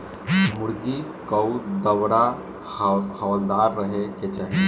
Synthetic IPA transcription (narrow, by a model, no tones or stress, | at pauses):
muɽɡikəwd̪əwɽa | hɔwld̪aɾːəɦeket͡ʃaɦe